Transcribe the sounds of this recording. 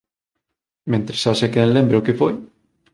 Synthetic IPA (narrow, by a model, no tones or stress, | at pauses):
mẽnt̪ɾesasekenlẽmbɾeokefoj